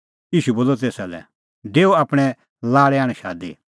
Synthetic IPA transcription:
jiːʃuboːlɔt̪eːsalɛ̰ | ɖeːoaːpɽ̃ɛ | laːɽɛaːɽ̃ɛ̃ʃaːd̪ḭ

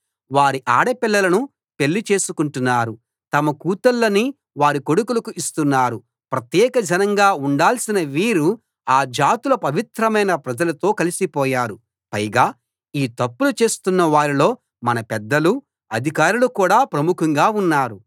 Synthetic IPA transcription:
ʋaːɾiʔaːɽɐpilːɐlɐnu | pe̞lːit͡ʃe̞ːsukuɳʈunːaːɾu | t̪ɐmɐkuːt̪ɐlːɐni | ʋaːɾiko̞ɽukulɐkuʔist̪unːaːɾu | pɾɐt̪jɛːkɐd͡ʒʱɐnɐŋɡaːuɳɖaːlsinɐʋiːɾu | aːd͡ʒaːt̪ulɐpɐʋit̪ɾɐmɐjnɐpɾɐd͡ʒɐlɐt̪o̞ːkɐlisipɔːjaːɾu | pɐjɡaː | iːt̪ɐpːulut͡ʃe̞ːst̪unːɐʋaːɾilo̞ː | mɐnɐpɛd̪ːɐlu | ɐd̪ʱikaːɾulukuːɽaːpɾɐmukʰɐŋɡaːunːaːɾu

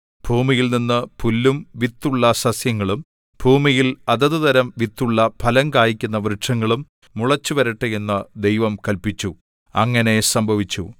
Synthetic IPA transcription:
b̥ʱuːmijilninːɨpʰulːumʋit̪ːuɭːɐsɐsjɐŋːɐɭum | b̥ʱuːmijilɐðɐðuðɐɾɐmʋit̪ːuɭːɐpʰɐlɐŋkaːjikʲːunːɐʋrɨʂɐŋːɐɭumː | uɭɐt͡ɕːuʋɐɾɐʈːɨjenːɐd̪ejʋɐmkɐlpit͡ɕːu | ɐŋːɐne̞sɐmbʱɐʋit͡ɕːṵ

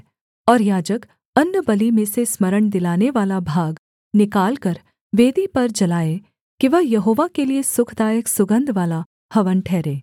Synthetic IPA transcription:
ɔːɾjaːd͡ʒək | ɐnːəbɐlimẽsesmɐɾəɳd̪ɪlaːneʋaːlabʱaːɡ | nɪkaːlkɐɾ | ʋeːd̪ipɐɾd͡ʒɐlaːe | kiʋɐɦjɐɦoːʋakeliesʊkʰd̪aːjəksʊɡə̃nd̪ʱʋaːla | hɐʋənʈʰɛːɾeː

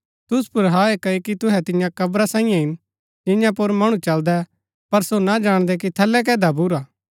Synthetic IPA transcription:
t̪ʊspʊɾɦaːekɐokit̪ʊɦɛt̪ɪ̃jãkɐbɾasãːɪ̃jãɪn | d͡ʒɪjãp̬ʊɾmɐɽ̃ut͡ʃɐld̪ɛ | pɐɾsonad͡ʒaːɽ̃d̪ɛk̬it̪ʰɐlːɛk̬ɛːd̪abʊɾaː

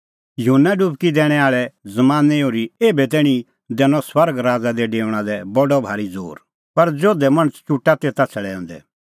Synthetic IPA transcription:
jɐɦʊnːaɖupkid̪ɛːɽ̃ɛaːɭɛzɐmaːneoːɾieːbɛt̪̬ɛːɽ̃i | d̪ɛːñɔswɐɾɡɾaːd͡zad̪ɛɖeːɽ̃ad̪ɛbɔɖɔbʱaːɾid͡zo̰ːɾ | pɐɾd͡ʒoːd̪ɛmɐɽ̃ət͡st͡ʃuʈːat̪eːt̪at͡sʰɐɭɛõ̰ːnd̪ɛ̰

